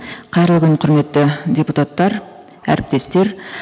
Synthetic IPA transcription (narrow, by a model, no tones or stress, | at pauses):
qʰɑjɾlˠɡʲɪnqʰʊɾme̞t̪ːɪdʲe̞put̪at̪ːɑɾ | æ̰ɾɪp̚t̪e̞st̪e̞ɾ